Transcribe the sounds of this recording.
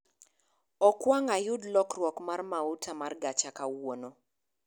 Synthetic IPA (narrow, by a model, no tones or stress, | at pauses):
ɔkwaŋajʊdlɔkrwɔkmarmautʰamarɡat͡ʃakawono